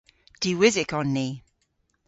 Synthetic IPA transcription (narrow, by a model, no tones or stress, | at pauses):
d̥iwɪzɪkɔnːi